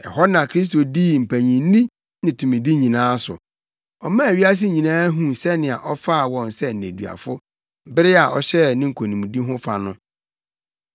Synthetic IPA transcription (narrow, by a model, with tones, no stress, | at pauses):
ɛ˨hɔ˦nã˨kʰɾi˦s̬to˨diː˦m̩˨pʰæ˨ɲĩ˨˦nĩ˦ | nɪ̃˨tʰũ˨mĩ˨di˦ɲĩ˨nãː˦sʊ̰˨ | ɔ˨mã˦æ˨ɥi˦a˦s̬ɪ˦ɲĩ˨nãː˦ɦũ˨sɛ˦nɪ̃˨a˨ʔɔ˦fa˦˨wɔ̃˨n˨sɛ˦n̩˨nẽ˨dɥa̰˨fʊ˦ | bɪ˦ɾɪ˦a˨ʔɔ˨ɕɛ˦nɪ̃˦ŋ̩˨kʰo˨nĩ˨mũ˨di˦ɦʊ̃˦fa˨nʊ̃˦